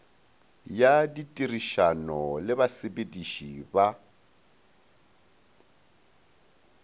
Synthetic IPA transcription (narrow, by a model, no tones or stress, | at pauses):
jaditʼiriʃanɔlɪβasebediʃiba